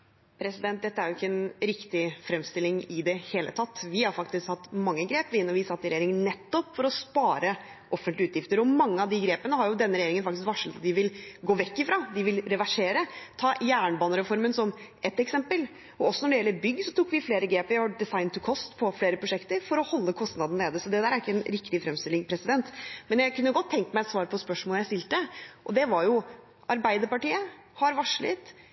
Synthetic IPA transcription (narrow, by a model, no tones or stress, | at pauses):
pʰɾɛsɪd̪ɛnt̪̚d̪ɛt̪ːəæɾjʊɪkːəɛnɾɪkt̪ɪfɾɛmst̪ɪlɪŋɪd̪ɛheːlʔə̰t̪ʰɑt̪ːʋɪhɑɾfɑk̚t̪ɪskhɑt̪ːmɑŋːəɡɾeːpʋɪnːɔʋɪsɑt̪ːɪɾɛjeːɾɪŋənnɛt̪ːɔpːfɔɾɔspɑːɾə | ʔɔfːənlɪʉːt̪jɪft̪əɾɔmɑŋːəɑʋd̪ɪɡɾeːpənəɦɑɾjʊd̪ɛnːəɾɛjeɾɪŋənfɑkt̪ɪskʋɑʂlət̪ɑt̪̚d̪ɪʋɪlɡoːʋɛkːɪfɾɑd̪ɪʋɪlɾɛʋæʂeːɾət̪ʰɑːjæːɳbɑːnəɾɛfɔɾmənsɔmʔɛt̪ːɛksɛmpəl | ɔɔsːɔnɔɖɛjɛlːəɾbʏɡːsɔt̪ʰukːʋɪfleːɾəɡɾeːpəɾɔɖɛsɑɪnt̪ʰʉkʰɔst̪pʰɔfleːɾəpɾʊʂɛkt̪əɾfɔɾɔhɔlːəkʰɔst̪nɑd̪n̩leːd̪əsɔd̪ɛd̪æːɾæɾɪkːəɛnɾɪkt̪ɪfɾɛmst̪ɪlːɪŋpʰɾɛsɪd̪ɛnt̪mɛnjæɪkʰʉnːəjʊɡɔt̪ʰːɛŋk̪əmæɪɛt̪sʋɑːɾpʰɔspœʂmoləjæɪst̪ɪlt̪əʔɔd̪ɛʋɑɾjʊ | ʔɑɾbæɪd̪əɾpɑʈiːə | hɑɾʋɑʂɭə̰t̪